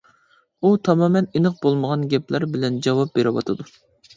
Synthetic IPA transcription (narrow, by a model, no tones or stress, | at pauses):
ut̪ʰɑmɑːmɛnenɨq̚bolˠməʁɑnɡʲɛplæɾbɪlɛnd͡ʒɑwɑp̚beɾɪwɑ̰t̪ʰɨd̪u